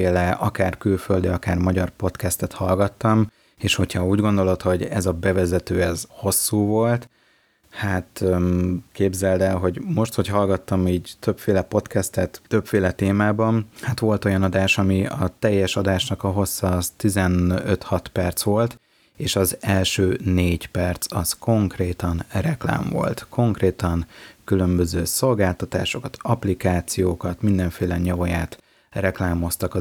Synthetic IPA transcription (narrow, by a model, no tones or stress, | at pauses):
eːlɛʔɒkaːrkylføld̪iɒkaːrmɒɟɒrpo̞t̪kɛst̪ɛt̪hɒlɡɒt̪ːɒm | eːʃho̞chɒuːɟɡo̞nd̪o̞lo̞t̪ho̞ɟɛzɒbɛvɛzɛt̪øːɛzho̞sːuːvo̞lt̪ | hat̪ | keːbzɛld̪ɛlɦo̞ɟmo̞ʃt̪ho̞chɒlɡɒt̪ːɒmiːɟt̪øpfeːlɛpo̞t̪kɛst̪ɛt̪t̪ø̞pfeːlɛt̪eːmaːbɒnhat̪ʋo̞lt̪o̞jɒnɒd̪aːʃɒmiɒt̪ɛjːɛʃɒd̪aːʃnɒkɒɦo̞sɒt̪izɛnøt̪hɒt̪pɛrt̪sʋo̞lt̪ | eːʃɒzɛlʃøːneːɟpɛrt̪sɒsko̞ŋkreːt̪ɒnrɛkla̰ːɱvo̞̰lt̪kʰo̞ŋkreːt̪ɒŋkylø̞mbø̞zøːso̞lɡaːlt̪ɒt̪a̰ːʃo̞kɒt̪ɒplikaːt̪sijoːkɒt̪mind̪ɛɱfeːlɛɲɒvojaːt̪ | rɛklaːmo̞st̪ɒkɒ